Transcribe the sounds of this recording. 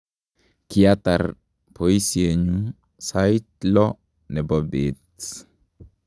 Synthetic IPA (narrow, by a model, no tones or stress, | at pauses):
kiata̰r | pʰɔisieɲu | saitlɔ | nɛbɔbɪt